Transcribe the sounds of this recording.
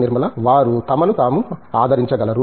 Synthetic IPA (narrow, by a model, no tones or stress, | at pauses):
niɾmɐlɐʋaːɾut̪ɐmɐnut̪aːmuaːd̪ʱɐɾiɲt͡ʃɐɡɐlɐɾu